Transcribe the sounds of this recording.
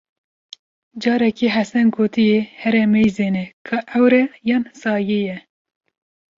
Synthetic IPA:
d͡ʒɑːɾɛkiːɦɛsɛnɡoːt̪ijehɛɾɛmɛjzeːnɛkʰɑʔɛwɾɛjɑːnsɑːjejɛ

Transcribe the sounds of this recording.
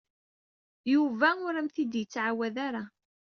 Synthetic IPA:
juvæʊɾæmθid̪jət͡sːʕawæðaɾa

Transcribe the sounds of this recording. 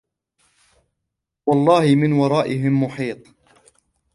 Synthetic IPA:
wɑlˤːɑːhɪmɪnwɑɾˤɑːʔɪɦɪmːʊħiːt̪ˤ

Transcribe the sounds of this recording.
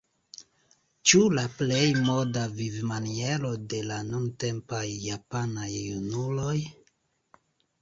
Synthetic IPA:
t͡ʃulaple̞jmo̞davivmanie̞ɾo̞de̞lanunte̞mpajːapanajunulo̞j

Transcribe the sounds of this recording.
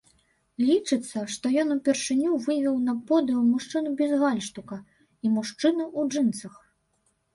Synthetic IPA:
lʲit͡ʂɨt̪sːɐʂt̪ɔjɔnupʲɛrʂɨnʲuvɨvʲɛwnɐpɔd̪ɨwmuʂt͡ʂɨnubʲɛzɣalʲʂt̪ukɐ | imuʂt͡ʂɨnuʔud͡ʐɨnt̪sɐx

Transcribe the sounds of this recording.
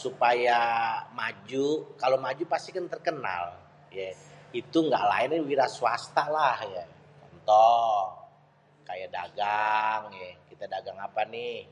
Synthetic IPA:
supajamad͡ʒukalomad͡ʒupast̪ikant̪ərkəna̰l | jait̪uŋɡaʔla̰ɪnwiɾaswast̪alahja | t͡ʃɔnt̪ɔ | kajada̰ɡaŋɛkit̪adaɡaŋapanɪ

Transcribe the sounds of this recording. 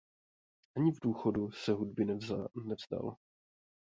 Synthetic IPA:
ʔaɲɪvduːxodusɛɦud̚bɪnnɛvz̥da̰l

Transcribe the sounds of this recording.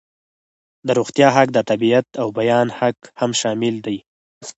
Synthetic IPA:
d̪əɾuɣt̪jɑɦakd̪ət̪abiat̪awbajɑnhakhamʃɑmɪld̪aj

